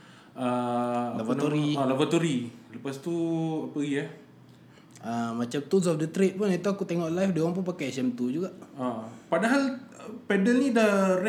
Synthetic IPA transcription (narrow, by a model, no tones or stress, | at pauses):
əlavat̪oɾilavat̪uɾiləpast̪uapəɡija | əmat͡ʃamt̪us̬ɔfdət̪ɾet̪̚pʊnit̪uakut̪eŋɔʔlajfdewɔŋp̬ʊnp̬akajsɛmt̪ud͡ʒuɡaʔəpadaɦalpɛdəlnidar